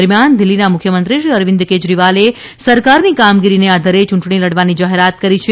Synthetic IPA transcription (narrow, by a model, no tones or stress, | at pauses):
ɾmjand̪ɪlːinamʊkʰjəmənt̪ɾiʃiəɾʋɪ̃nd̪ked͡ʒɾiʋale | səɾkaɾnikamɡiɾinead̪ʱaɾet͡ʃũɳʈɳ̃iləɽʋanid͡ʒaɦeɾat̪̚kəɾit͡ʃʰe